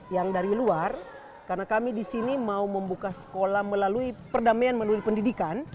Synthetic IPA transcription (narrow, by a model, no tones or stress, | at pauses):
jaŋdaɾiluar | karnakamidisinimauməmbukasə̥kolahməlaluipərdamajanməlauipəndidikan